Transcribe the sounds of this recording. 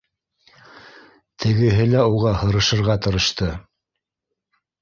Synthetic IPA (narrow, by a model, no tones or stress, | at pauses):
t̪ʰɘ̆ɡɘ̆ɦɘlæuʁɑhɤ̆ɾɤ̆ʃɤ̆ɾʁɑt̪ɤ̆ɾɤ̆ʃt̪ɤ